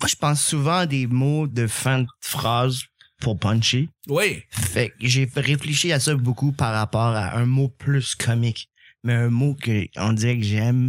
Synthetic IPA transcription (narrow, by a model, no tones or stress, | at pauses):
mwaʒəpɑ̃sːuvɑ̃d̪emod̪əfɛ̃d̪fχaːz | pʰuʁpɑ̃nʃewifɛk̚ʒefʁefleʃiasʌbokupaʁːapɔːʁa̰ʔɛ̃mopʰlyskʰɔmɪk | mɛɛ̃mokəɔ̰̃d̪iʁɛkəʒɛm